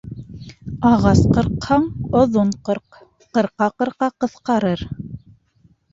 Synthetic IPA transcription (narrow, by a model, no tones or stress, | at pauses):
ɑʁɑsqɤ̆ɾqhɑɴŏðoɴqɤ̆ɾq | qɤ̆ɾqɑqɤ̆ɾqɑqɤ̆θqɑɾɤɾ